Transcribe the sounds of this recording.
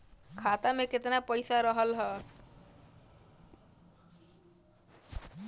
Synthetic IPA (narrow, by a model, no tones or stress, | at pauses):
kʰat̪ameket̪napəjsaɾəɦəlɦɔ